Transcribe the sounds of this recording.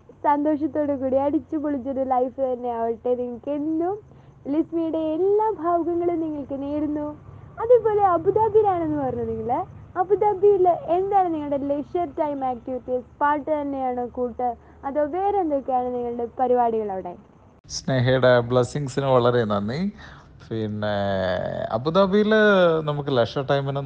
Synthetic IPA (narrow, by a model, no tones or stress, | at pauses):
sɐnd̪o̞ːʂɐt̪ːo̞ːɽekuːɽiɐɽit͡ɕːupuɭit͡ɕːɐðɨlɐjfɨt̪ɐnːe̞ɐʋiʈːe̞niŋːɐɭkeɽnːu | lismijuɽe̞ːlːaːbʱaːʋɐɡɐŋːɐɭumniŋːɐɭkɨneːɾunːuɐðupo̞ːle̞ɐbʱud̪aːbiɾaːɳe̞nːɨpɐrɐɲːɐniŋːɐɭɐbʱud̪aːbijilend̪aːjɳniŋːɐɭɽelekʂɐrʈɐjmaːk̚ʈiʋit̪ːispaːʈːɨt̪ɐnːe̞jaːɳɨkuːʈːɨ | ɐðoːʋeːɾend̪okːejaːɳɨniŋːɐɭɨɽe̞pɐɾibaːɽiɣɐɭɐʋiɽḛːji | sneːɦɐjuɽebɭɐsiŋsinɨʋɐɭɐɾenɐnːi | pʰinːe | ɐ̰bud̪aːbijilnɐmukːɨlekʂɐɾʈɐjmin